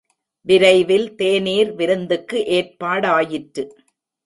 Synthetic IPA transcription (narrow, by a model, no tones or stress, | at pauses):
ʋɪɾɐɪʋɪlt̪eːniːɾʋɪɾɯnd̪ɯkːɯʔeːrpaːɽaːjɪʈɾɯ